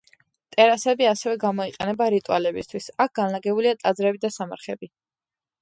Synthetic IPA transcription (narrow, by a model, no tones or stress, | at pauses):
t̪ʼɛɾasɛbiasɛvɛɡamɔiqʼɛnɛbaɾit̪ʼualɛbist̪ʰwisak̚ʰɡ̥anlaɡɛbuliat̪ʼad̪zɾɛbid̪asama̰ɾχɛbi